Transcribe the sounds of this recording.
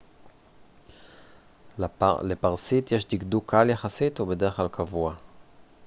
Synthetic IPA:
lepaʁsit̪jeʃd̪iɡd̪ukʰːaaljaχasit̪ubed̪eʁχklalkʰavua

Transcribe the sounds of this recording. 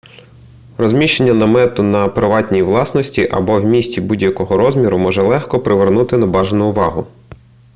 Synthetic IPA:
rɔzʲmʲiʃt͡ʃe̞nʲːɐnɐmɛt̪ʊnɐpɾɪʋɑtʲnʲijiʋlˠɑsnɔsʲtʲiʔɐ̰bɔwmʲisʲtʲibudʲjɐkɔɦɔɾɔzʲmʲiɾʊmɔʒɛlˠɛxkɔpɾɪʋernut̪ɪnɐbɑʒenʊʊʋɑɦʊ

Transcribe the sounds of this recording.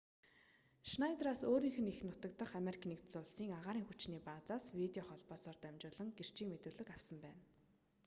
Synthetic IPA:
ʃnajt̪raːsoːɾiːŋxɘ̆nixnʊt̪ə̆k̚t̪ə̆χameɾikʰnikt̪sʊɮsiːŋaʁaːɾiːŋxut͡ɕniːpaːt͡saːswit̪eɔχɔɮpɔːsɔːrt̪æmʲt͡ɕʊːɮə̆ŋɡer̥t͡ɕʰiːŋmet̪ɵːɮɵ̆kawsə̆mpæːn

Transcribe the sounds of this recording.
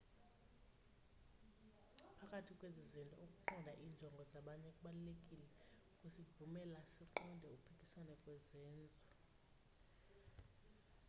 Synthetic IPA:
pʰakʼatʰikʼwezizintʼɔokʼuǃɔndʱaʔiːnd͡ʒʱɔŋɡʱɔzaɓaɲɛkʼuɓalulekʼilɛ | kʼusivumɛlasiǃɔndʱɛupʰikʼiswanɛkʼwɛzɛːnd͡zʱa

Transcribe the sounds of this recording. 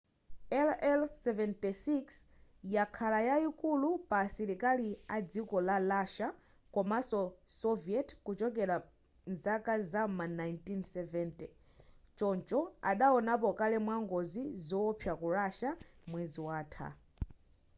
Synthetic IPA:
ɛlɛlsɛvɛntisiks | jakʰalajaikulupasiɾikaliad͡zikɔlalaʃa | kɔmasɔsɔviɛtkut͡ʃɔk̬ɛɾa | nzakazamanajntinsɛvɛntɛ | t͡ʃɔnt͡ʃɔaɗaɔnapɔkalɛmwaŋɡɔzizɔɔpʰjakuɾaʃamwɛziwaːtʰa̰

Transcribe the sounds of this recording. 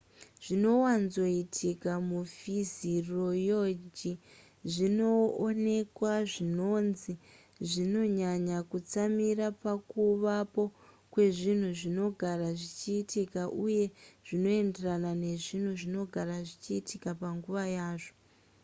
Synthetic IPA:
ʐ̥ino̞wanzo̞itʰikamufiziro̞jod͡ʒi | ʐino̞ːne̞kwaʐino̞nzi | ʐino̞ɲaɲakut͡samiɾapakuʋapo̞ | kwe̞ʐin̤uʐino̞ɡʱaɾaʐit͡ʃiːtikaʔuje̞ʐ̥ino̞e̞nderanane̞ʐin̤uʐino̞ɡʱaɾaʐit͡ʃiːtikapaŋɡuʋajaːʐo

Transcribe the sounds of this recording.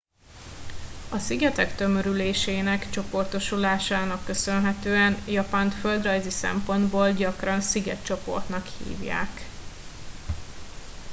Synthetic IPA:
ɒsiɡɛt̪ɛkt̪ø̞møɾyleːʃeːnɛkt͡ʃo̞po̞rt̪o̞ʃulaːʃaːnɒkːø̞sønɦɛt̪øːɛnjɒpaːnt̪fø̞ld̪rɒjzisɛ̰mpo̞nd̪boːlɟɒkrɒnsiɡɛ̰t̪t͡ʃo̞po̞̰rt̪nɒkhḭːvja̰ːk

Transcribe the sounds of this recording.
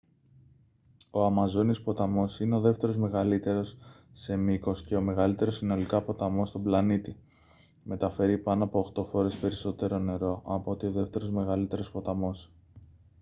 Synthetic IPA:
o̞ɐmɐzo̞nispo̞t̪ɐmo̞sine̞o̞ðe̞ft̪e̞ɾo̞zme̞ɣɐlit̪e̞ɾo̞sː | e̞miko̞sce̞o̞me̞ɣɐlit̪e̞ɾosino̞likɐpo̞t̪ɐmo̞st̪o̞blɐnit̪i | me̞t̪ɐfe̞ɾipɐnoɐpo̞ːxt̪o̞fo̞ɾe̞spe̞ɾiso̞t̪e̞ɾo̞ne̞ɾo̞ʔɐpot̪io̞ðe̞ft̪e̞ɾo̞zme̞ɣɐlit̪e̞ɾo̞spo̞t̪ɐmo̞s

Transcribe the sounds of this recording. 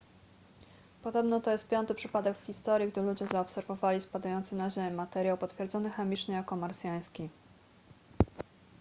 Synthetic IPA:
pɔd̪ɔbnɔt̪ɔjɛst̪pʲjɔnt̪ɘpʂɘpad̪ɛkfxʲist̪ɔɾʲjiɡd̪ɘlud͡ʑɛzaɔpsɛɾvɔvalʲispad̪ajɔnt̪sɘnaʑemʲmat̪ɛɾʲjawpɔt̪fʲjɛɾd̪zɔnɘxɛmʲit͡ʂɲɛjakːɔmaɾsʲjaj̃skʲi

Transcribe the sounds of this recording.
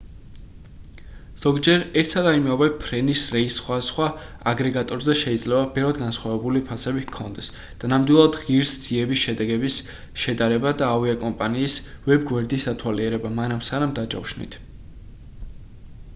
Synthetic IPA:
z̥ɔɡd͡ʒɛɾɛɾt̪ʰsad̪aimɛɔbɛpʰɾɛnisɾɛisχwasχwa | aɡɾɛɡat̪ʼɔɾzɛʃɛid̪zlɛvabɛvɾad̪ɡansχwavɛbulipʰasɛbikʰɔnd̪ɛs | d̪̥anamd̪wilˠad̪ʁiɾsd̪z̥iɛbisʃɛd̪ɛɡɛbis | ʃɛd̪aɾɛbad̪aːviakʼɔmpʼaniːsvɛbɡwɛɾd̪isd̪at̪ʰwaliɛɾɛbamanamsanamd̪ad͡ʒɔ̰wʃnḭt̪ʰ

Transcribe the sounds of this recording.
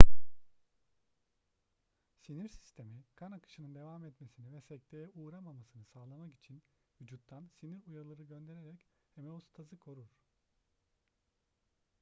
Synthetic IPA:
siniɾsi̥st̪ʰe̞mikʰanakɯ̥ʃɯnɯnd̪e̞vamɛt̪mesinivɛsɛc̚t̪ʰejɛʔuːɾamamasɯnɯsaːlˠamaki̥t͡ʃʰinvyd͡ʒut̪ʰːansiniɾujalˠaɾɯɟø̞nd̪e̞ɾeɾɛchemeost̪ʰazɯkʰo̞ɾuɾ̥

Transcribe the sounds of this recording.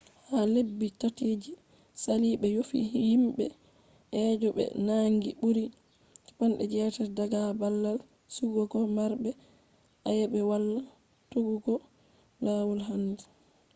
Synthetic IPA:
halebːitatiːd͡ʒi | saliɓɛjofḭhihimɓɛ̰ | ʔɛːd͡ʒɔɓɛ̰naŋɡiɓuɾi | kḁpanɗɛ̰d͡ʒɛːtɛdaɡabalːal | suɡɔɡɔmaɾbɛ | ʔajɛbɛwalːa | tuɡuɡɔ | lawulɦandɛ

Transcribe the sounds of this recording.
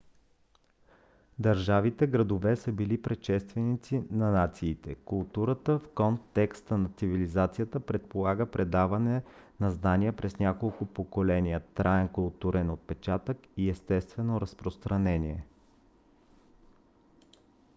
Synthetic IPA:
d̪ɐɾʒavit̪ɛɡɾɐd̪ovɛsəbilipɾɛʃɛst̪vɛnit̪sinɐnat̪siːt̪ɛkʊlˠt̪uɾət̪əfkɔnt̪ɛkst̪ənɐt̪sivilizat̪sijət̪əpɾɛt̪̚polˠaɡəpɾɛd̪avɐnɛnɐznaniəpɾɛznʲakolˠkʊpokolɛnʲijət̪ɾʔaɛŋkʊlˠt̪uɾɛnot̪̚pɛt͡ʃat̪əkiɛst̪ɛst̪vɛnoɾɐspɾost̪ɾɐnɛniɛ

